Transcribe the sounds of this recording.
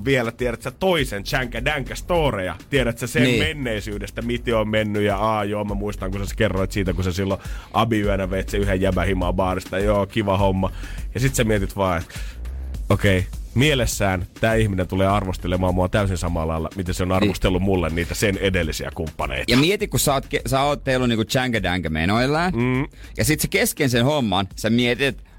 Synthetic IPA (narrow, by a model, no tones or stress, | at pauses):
ʋielæt̪ieɾæt̪sæt̪oisent͡ʃæŋkædæŋkæst̪oːrejɑ̰t̪ieɾæt̪sæsemmenːeisyːdest̪æmit̪eommenːyjjɑɑːjoːmæmuist̪ɑŋkusæskerːoit̪siːt̪ækusesilːoʔɑbiyænæʋeit̪seyhejjæbæhimɑbɑːrist̪ɑjoːkiʋɑhomːɑjɑsit̪semiet̪it̪ʋɑːet̪ | okeimielesːæːnt̪æːihminent̪uleːɑrʋost̪elemɑmːuɑt̪æysinsɑmɑlɑilːɑ̰mit̪eseonɑrʋost̪elːumulːenniːt̪æsenedelːisiæ̰kumpːɑnḛˑit̪jɑmiet̪ikkussɑot̪kesɑoːt̪t̪eilːuniːŋkut͡ʃæŋɡædæŋɡæmḛnoilːɑːn̩ːjɑsit̪sekeskensenhomːɑnsemiet̪iet̪